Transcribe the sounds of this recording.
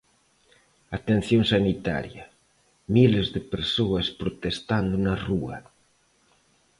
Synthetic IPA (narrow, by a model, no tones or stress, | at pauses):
at̪en̟θjoŋsanit̪a̰ɾjɐ | milezðepeɾsoɐspɾot̪est̪and̪ʊnaruɐ̰